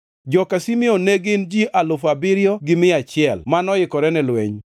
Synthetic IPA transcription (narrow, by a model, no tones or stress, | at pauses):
d͡ʒɔkasimɪoneɡɪnd͡ʒiʔalʊfabɪɾjɔɡɪmɪat͡ʃɪɛlmanɔjɪkɔɾɛnɛlwḛɲ